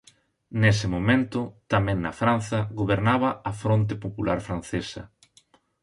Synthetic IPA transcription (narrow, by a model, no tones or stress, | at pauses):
nesɪmomẽnt̪ʊt̪amɛ̃ŋnɐ̰fɾan̟θɐɣoβeɾnaβɐɐfɾont̪̬ɪpopulaɾfɾan̟θesɐ̰